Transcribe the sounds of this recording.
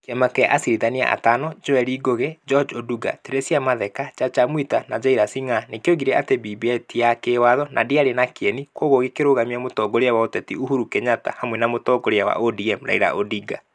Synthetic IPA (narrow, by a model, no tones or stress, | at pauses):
keɛmakɛʔasiɾiðania̰ʔa̰tanɔd͡ʒoɛɾiɡoɣed͡ʒɔd͡ʒoduɡa̰teɾesjamaðɛkat͡ʃat͡ʃamwitanad͡ʒaiɾasiŋanekeoɣiɾɛʔatebibiɛtiakewaðɔnʔa̰diaɾenakeɛnikwoɣoɣekeɾoɣamiamotɔɡoɾeawaotɛtiuɦuɾukɛɲata̰hamwɛnamotɔɡoɾeawa̰ʔodiɛmɾa̰iɾa̰ʔodiɡa̰